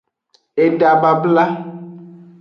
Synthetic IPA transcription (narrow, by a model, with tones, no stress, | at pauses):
e˨ɖa˨ba˨bla˦